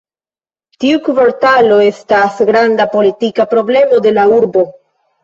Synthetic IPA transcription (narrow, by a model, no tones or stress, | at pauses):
tiukuvoɾtalo̞e̞stasɡɾandapo̞litikapɾo̞ble̞mo̞de̞lauɾbo̞